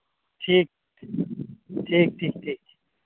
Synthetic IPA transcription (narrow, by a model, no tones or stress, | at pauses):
ʈʰiːk̚ | ʈʰiːk̚ʈʰiːk̚ʈʰiːk̚i